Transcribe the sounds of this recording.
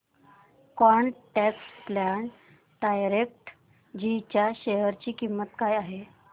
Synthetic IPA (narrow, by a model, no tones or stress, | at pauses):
kɔɳʈɛksplaɳ | ɖajɾek̚ʈ | d͡ʑit͡ɕjaɕeɦəɾt͡ɕiːkimːət̪kajaɦe